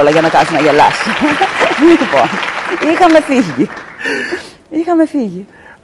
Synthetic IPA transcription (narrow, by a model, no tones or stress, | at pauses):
lɐʝɐnɐkɐsunɐʝelɐ̰si | lipo̰nixɐme̞fiʝi | ixɐme̞fiʝi